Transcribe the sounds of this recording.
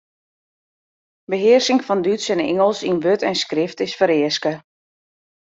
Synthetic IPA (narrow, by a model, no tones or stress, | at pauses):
bəɦɪərsɪŋfɔndytsɛnɪ̰ŋəlˠsinʋøtɛnskrɪftɪsfəɾɪəskə